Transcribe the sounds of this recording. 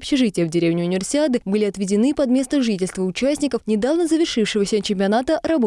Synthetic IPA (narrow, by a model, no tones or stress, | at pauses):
ɐpɕɪʐɨtʲɪjəvdʲɪɾʲevnʲɪʊnʲɪvʲɪrsʲɪad̪ɨbɨlʲɪɐt̪vʲɪdʲɪnɨpɐd̪mʲe̞st̪əʐɨtʲɪlʲst̪vəʊt͡ɕæsʲnʲɪkəfnʲɪd̪avnəzəvʲɪrʂɨfʂɨvəsʲət͡ɕɪmʲpʲɪɐnat̪əɾɐbo